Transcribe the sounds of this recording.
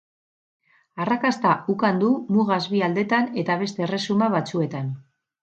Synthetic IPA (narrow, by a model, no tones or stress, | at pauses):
arakast̪aʔukand̪umuɣazβiald̪e̞t̪ane̞t̪aβ̞e̞st̪e̞re̞sumaβat͡sue̞t̪an